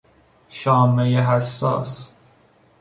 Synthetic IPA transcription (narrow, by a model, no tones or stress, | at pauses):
ʃɒːmejeɦæsːɒ̰ːs